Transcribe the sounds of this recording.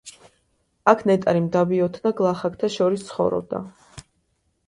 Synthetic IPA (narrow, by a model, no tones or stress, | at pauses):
akʰnɛt̪ʼaɾimd̪abiɔt̪ʰnaɡlˠaχak̚ʰt̪ʰaʃɔɾist̪sʰχɔ̰vɾɔ̰b̚d̪a̰